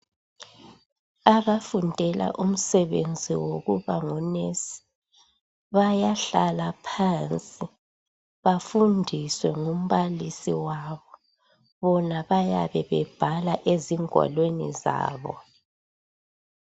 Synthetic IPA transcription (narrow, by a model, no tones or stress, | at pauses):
aβafundʱɛla̰ʔum̩sɛβend͡zʱiwoɣuβaŋunesi̥ | βajaɬalapʰant͡sʼi | βafundʱiswɛŋum̩βalisiwaβɔ | βɔnaβaja̰βɛβɛb̥ʱalaʔeziŋwa̰lwenḭza̰ːβɔ̰